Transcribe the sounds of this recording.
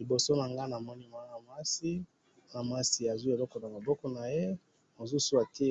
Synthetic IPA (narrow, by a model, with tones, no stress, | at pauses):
li˨bo˨so˦na˨ŋɡa˦na˨mɔ˦ni˦ma˨˦na˨mwa˦si˦ | na˨m˨a˦si˨a˨zi˦e˨lɔ˦kɔ˨na˨ma˨bɔ˦kɔ˨na˨je˦ | mo˨zu˦su˦a˨te˦